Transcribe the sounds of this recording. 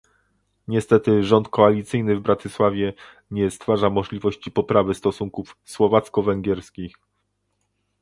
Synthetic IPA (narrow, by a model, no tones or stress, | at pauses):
ɲɛst̪ɛt̪ɘʐɔnt̪̚kɔalʲit̪sɘjnɘvbɾat̪ɘswavʲjɛ | ɲɛst̪faʐamɔʐlʲivɔɕt͡ɕipɔpɾavɘst̪ɔsuŋkufswɔvat̪skɔvɛŋɡʲjɛɾskʲix